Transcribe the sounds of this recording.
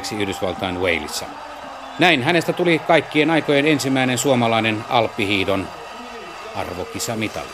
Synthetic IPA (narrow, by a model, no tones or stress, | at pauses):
ksiyhdysʋɑlt̪ɑinwḛilḭsːɑ̰ | næinɦænest̪æt̪ulikɑikːienɑikojenensimæinensuomɑlɑinenɑ̰lpːihiːdon | ɑ̰rʋokisɑmit̪ɑ̰lː